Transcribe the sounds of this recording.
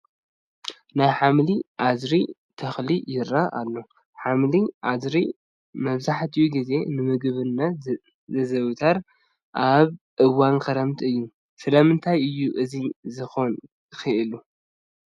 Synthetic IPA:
najħamliʔazɾit̪ʰɐxlijɪɾːaa̰lːo | ħamliʔazɾi | mɐβzaħt̪ʰɨjuɡize̞nɨmɨɡβɨnːɐ | zɐzɐwt̪ʰɐɾ | ʔaβʔɨwankʰɐɾɐmt̪ʰɨjːu | sɨlɐmɨnt̪ʰajɨjːuʔɨzizɨxon | xɨʔɨlu

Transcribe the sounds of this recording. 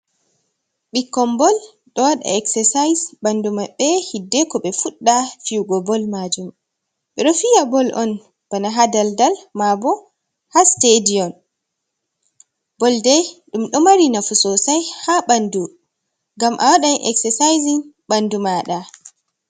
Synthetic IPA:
ɓikːɔmbɔl | ɗɔwaɗa̰ɛksɛsajsɓandumaɓɛhidːɛkɔɓɛfuɗːafiwɡɔbɔlmad͡ʒum | ɓɛɗɔfijabɔlʔɔn | b̥anaɦadaldalmabɔ | hastadiɔn | bɔldɛjɗumɗɔmaɾinafusɔsajhaɓandu | ŋɡamʔa̰waɗajʔɛ̰ksɛsajziŋ | ɓandumaɗa

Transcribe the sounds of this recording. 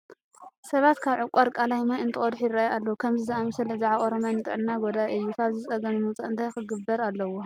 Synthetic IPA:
sɐβat̪kʰaβʕʊkʷʼaɾkʼalajmajɨnt̪ʰɨχʼod̪ħjɪɾajalːɐwukʰɐmzizɐʔamɨsɐlzaʕaβʔoɾomjanɨt̪ʼɨ̰ʕɨnːaɡod̪aʔɨjːukʰaβzɨt͡sʼɐɡɐnɨmut͡sʼaɨnt̪ʰajxɨɡɨbːɐɾalːɐwo

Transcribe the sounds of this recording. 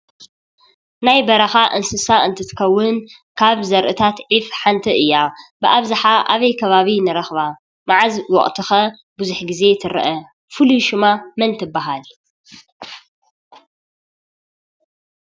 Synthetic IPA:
najbɐɾɐxaʔɨnsɨsaɨnt̪ʰɨt̪ʰɨ̥kʰɐwːʊn | kʰaβzɐɾʔɨt̪ʰat̪ʕifħant̪ʰɨʔɨjːabɨʔaβzɨħaʔaβɐjkʰɐβaβinɨɾɐxβa | maʕazwɔ̰χʼt̪ʰɨxɐ | buzuħɡize̞t̪ʰɨɾɐ̰ʔɐ | fɨluʃɪmamɐnt̪ʰɨbːaɦal

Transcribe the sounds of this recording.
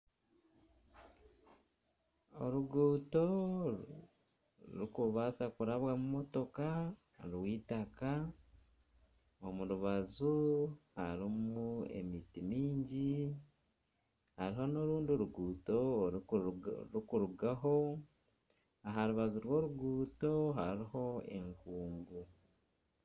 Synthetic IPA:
o̰ɾuɡuːto̞ | ɾukuβasakuɾaβwamumoto̞ka | ɾwiːtaka | omuɾuβazuhaɾimue̞̰mitimiːɲɟi | haɾiho̞noɾuːnduɾuɡuːto̞ | ɾukuɾuɡaɦo̞ | aɦaɾuβazuɾwo̞ɾuɡuːto̞ɦaɾiho̞e̞̰ŋkuːŋɡu

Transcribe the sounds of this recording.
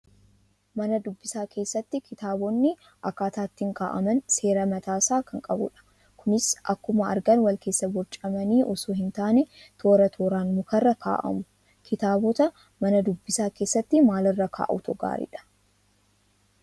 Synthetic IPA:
mɐnɐd̪ʊbːɪsaːkʰe̞ːsːɐt̪ːɪkɪt̪aːbɔnːɪ | ʔɐkːaːt̪aːt̪ːɪŋka̰ːʔɐ̰mɐnse̞ːɾɐmɐt̪aːsaːkɐŋkʼɐbʊ̰ᶑɐ̥ | kʰʊnɪsʔɐkːʊmɐɐ̰ɾɡɐnwɐlkʰe̞ːsːɐbɔɾt͡ʃʼɐmɐniːʔɔsuːɦɪnt̪aːnɛ | t̪ʰo̞ːɾɐt̪ʰo̞ːɾaːnmʊkɐrːɐkʰa̰ːʔɐ̰mʊ | kʰɪt̪aːbɔt̪ɐ | mɐnɐd̪ʊbːɪsaːke̞ːsːɐt̪ːɪmaːlɐrːɐkʰa̰ːʔʊ̰t̪ʰɔɡa̰ːɾɪ̰ᶑɐ̥

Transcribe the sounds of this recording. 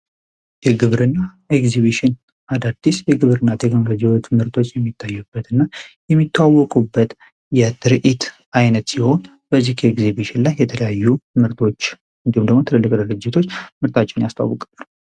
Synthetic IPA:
jɛɡɨβɾɨnːa | ekziβiʃɪn | ad̪ad̪̥ːisjɛɡɨβɾɨnːat̪ʰekno̞lo̞d͡ʒiwot͡ʃmɨɾt̪ʰo̞t͡ʃːjɛmːit̪ʰːajːɛb̥ːət̪ɨnːajɛmːit̪ʰːawːɔkʼubːət̪ | jɛt̪ʰɨɾʔit̪ | ajnət̪siho̞n | bəzːihkʰəekzibiʃɪnlajːɛt̪ʰələjajːumɨɾt̪ʰo̞t͡ʃː | ɨnd̪iumd̪əɡmo̞t̪ʰələlːɨkʼd̪ɨɾɨd͡ʒːɪt̪ʰo̞t͡ʃːmɨɾt̪ʰat͡ʃːɪnjast̪ʰa̰wːɔkʼɨlːəl

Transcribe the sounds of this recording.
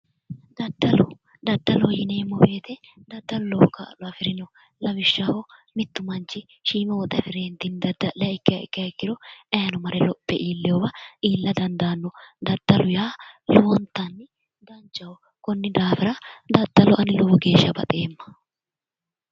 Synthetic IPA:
d̪ɐd̪ːɐlɔ | d̪ɐd̪ːɐlɔjɪneːmːɔbe̞ːt̪ɛd̪ɐd̪ːɐllɔka̰lɔɐfɪɾɪnɔ | lɐbɪʃːɐhɔmɪt̪ːʊmɐnt͡ʃːɪ | ʃiːmɛwɔt̪ʼːɛfɪɾeːnt̪ɪnd̪ɐd̪ːɐʔɛɪkːɪjɐɪ̰kːɪɐɪkːɪɾɔɛjɐnɔmɐɾɛlɔpʼːɛʔiːlːɛjɔwɐʔiːlːɐd̪ɐnd̪aːnːɔd̪ɐd̪ːɐlʊjaːlʊwɔnt̪ːɐnːɪ | d̪ɐnt͡ʃːɐwɔ | kɔnːɪd̪aːfɪɾɐd̪ɐd̪ːɐlɔʔɐnɪlɔwɔɡe̞ːʃːɐbɐ̰t̪ʼe̞ːmːɐ̥

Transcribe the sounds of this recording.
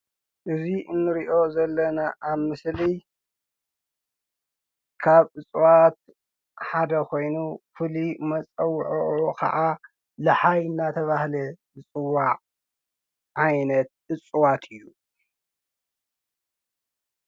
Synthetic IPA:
ʔɨziʔɨnːɨɾiʔo̞zɐlːɐnaʔaβmɨsli | kʰaβɨt͡sʼwat̪̚ | ħad̪ɐkʰo̞jnufɨlimɐt͡sʼɐwːʕuʔukʰɐ̰ʕʔa | lɐħajɨnːat̪ʰɐβahlɐzɨt͡sʼɨwːaʔʼ | ʕajnɐt̪̚ɨt͡sʼuwat̪ʰɨjːu

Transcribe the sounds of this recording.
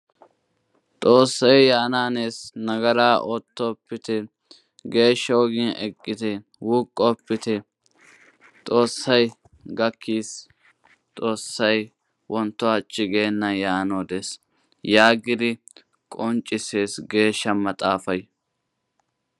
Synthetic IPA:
t̪ʼo̞ːsːɐjjaːnaːneːsnɐɡɐɾaːʔot̪ːɔːpːɪt̪ɛ | ɡe̞ːʃːɐwɔɡɪnɛ̰kʼːɪt̪ɛ | wuːkʼːɔpːɪt̪ɛ | t̪ʼo̞ːsːɐj | ɡɐkʰːiːs | t̪ʼo̞ːsːɐj | wʔɔnt̪ːɔɐt͡ʃʼːɪɡe̞ːnːɐjaːnoːd̪es | jaːɡɪd̪ɪ | kʼɔnt͡ʃʼːɪseːsɡe̞ːʃːɐmɐt̪ʼaːfɐj

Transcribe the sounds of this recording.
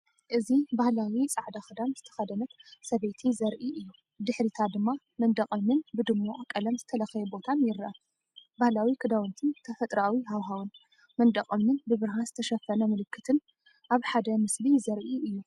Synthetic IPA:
ʔɨzibahlawit͡sʼaʕd̪axɨd̪amz̥ɨt̪ʰɐ̥xɐd̪ɐnɐt̪sɐβet̪ʰizɐɾʔiʔɨjːu | d̪ɨħɾit̪ʰad̪ɨmːa | mɐnd̪ɐqʼɐmnɨnbɨd̪ɨmːoʔakʼːɐlɐmzɨt̪ʰɐlɐxjɛbo̞t̪ʰanjɪɾʔɐ | bahlawikʰɨd̪awɔnt̪ʰɨnt̪ʰɐfɐt̪ʼɾawiɦawɦawɨn | mɐnd̪ɐχʼɐmnɨnbɨβɨɾɦazɨt̪ʰɐʃɐfːɐnɐmɨlɨkːɨt̪ʰɨn | ʔaβħad̪ɐmɨsbizɐɾʔiɨjːu

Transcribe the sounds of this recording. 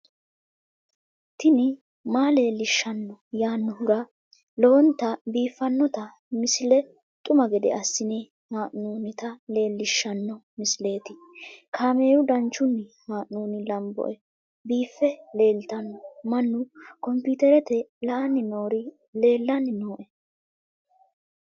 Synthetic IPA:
t̪ɪnɪ | maːle̞ːlːɪʃːɐnːɔjaːnːɔhʊɾɐ | lɔɔnt̪ɐbiːfːɐnːɔt̪ɐ | mɪsɪlɛ | t̪ʼʊmɐɡɛd̪ɛ̰ʔɐsːɪnɪ | maːʔnuːnɪt̪ɐle̞ːlːɪʃːɐnːɔmɪsle̞ːt̪ɪ | kʰaːme̞ːɾʊd̪ɐnt͡ʃːʊnːɪ | maːʔnuːnɪlɐmbɔ̰ʔɛ | biːfːɛle̞ːlt̪ɐnːɔmɐnːʊkɔmpit̪ɛɾɛt̪ɛlɐʔɐnːɪnoːɾɪ | le̞ːlːɐnːɪnoːʔɛ

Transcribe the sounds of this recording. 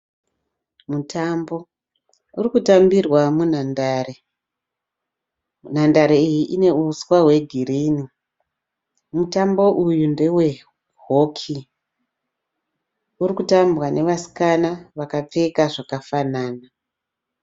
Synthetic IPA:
mutambo̞ | urikutambirwamun̤andaːre | nandaɾeijiʔine̞uswaɦwe̞ɡʱirini | mutambo̞ʔujunde̞we̞ | ɦokʰi | urikutambwane̞ʋasi̥kanaʋakap͡fe̞kaʐakafanaːna

